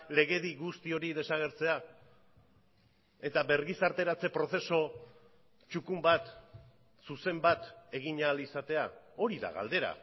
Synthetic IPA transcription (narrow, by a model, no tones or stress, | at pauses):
le̞ɣe̞ðiɣust̪io̞ɾiðe̞saɣ̞e̞ɾt͡se̞a | e̞t̪aβe̞ɾɣisaɾt̪e̞ɾat͡se̞pɾo̞θe̞so̞ | t͡ʃukumbat̪ | suse̞mbat̪e̞ɣiɲalisat̪e̞ao̞ɾiða̰ɣa̰ld̪e̞ɾa̰